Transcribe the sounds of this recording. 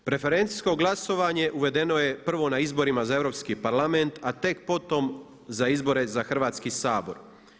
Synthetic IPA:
pɾe̞fe̞ɾe̞nt̪i̥sko̞ɡlˠaso̞ʋaːɲe̞ʔuʋe̞d̪e̞no̞je̞pr̩ʋo̞naizbo̞ɾimazaeʋɾo̞ːpskipaɾlˠament̪at̪e̞kpo̞t̪o̞m | zaizbo̞ɾe̞zaxr̩ʋaːt̪skisaːbo̞ɾ

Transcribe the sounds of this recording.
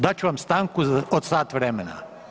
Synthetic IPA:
d̪at͡ʃuʋamst̪aːŋkuaod̪saːt̪ʋɾemena̰

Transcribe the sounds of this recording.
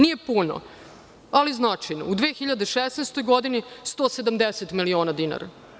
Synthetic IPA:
nije̞puno̰ | aliznat͡ʂajno̰ud̪ʋeːxiʎad̪eʃesnest̪o̞jɡod̪inist̪oːsed̪amd̪eset̪milio̞ːnad̪ina̰ɾa̰

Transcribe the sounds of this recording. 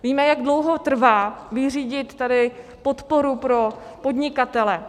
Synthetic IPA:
viːmɛjaɡdlo̞wɦo̞t̪r̩vaːvɪriːɟɪt̪ːadɪpo̞t̪po̞ɾupɾo̞po̞dɲɪkat̪ɛlɛ

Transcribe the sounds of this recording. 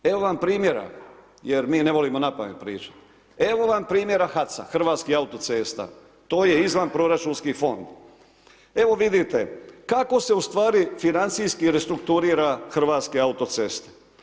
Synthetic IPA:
e̞ʋo̞ʋampɾiːmje̞ɾa̰ | jeɾmiːneʋo̞limo̞napaʋempɾḭːt͡ʃḁ | e̞ʋo̞ʋampɾiːmje̞ɾaxat̪sa̰xr̩ʋaːt̪skiaut̪o̞t̪se̞ːst̪a̰ | t̪o̞ːje̞izʋanpɾo̞ɾat͡ʃuːnskifo̞nd̪ | e̞ʋo̞ʋid̪it̪e̞kako̞se̞ust̪ʋaːɾifinant̪sijskiɾest̪ɾukt̪uɾiːɾaxr̩ʋaːt̪skiaut̪o̞t̪seːst̪e̥

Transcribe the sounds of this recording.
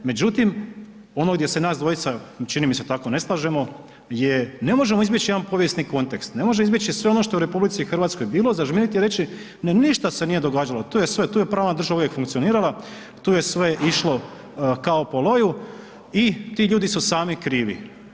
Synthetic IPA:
me̞d͡ʑut̪im | o̞noɡd̪je̞se̞naːsd̪ʋo̞it̪sat͡ʃinimise̞t̪ako̞ne̞slˠaːʒe̞mo̞ | jene̞mo̞ʒe̞moizbjet͡ɕijed̪anpo̞ʋjest̪niko̞nt̪ekst̪ne̞mo̞ʒemizbʲjet͡ʃisʋeo̞noʃt̪o̞euɾe̞publit̪sixr̩ʋaːt̪sko̞jbiːlozaʒminit̪ijɾe̞t͡ʃi | neniʃt̪ase̞niːje̞d̪o̞ɡaːd͡ʒalo̞t̪uːjesʋe̞t̪uːjepɾaːʋnad̪r̩ʒauʋjekfuŋkt̪sioniːɾala | t̪uːje̞sʋe̞ʔiʃlo̞ | kaopolo̞ju | it̪iːʎuːd̪isusaːmikɾiːʋḭ

